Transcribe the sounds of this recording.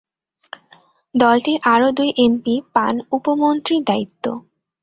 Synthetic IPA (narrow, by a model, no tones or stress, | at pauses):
d̪ɔlʈiɾʔaɾod̪ujʔempipanupomont̪ɾiɾd̪ait̪ːo̰